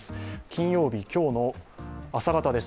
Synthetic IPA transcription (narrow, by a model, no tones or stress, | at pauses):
sɨ̥kʲĩɰ̃jo̞ːbʲikʲo̞ːno̞asaɡat̪ad̪e̞s